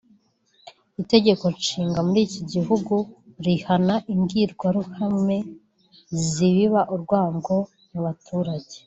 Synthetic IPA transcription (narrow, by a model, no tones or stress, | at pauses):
ite̞ɟe̞ko̞iʃiːŋɡamuɾiːciɟiɦuɡuɾihanaʔiŋɡiɾɡwaɾuhame̞ | ziβiβaʔuɾɡwaːŋɡo̞ | nuβatʰuːɾaɟe̞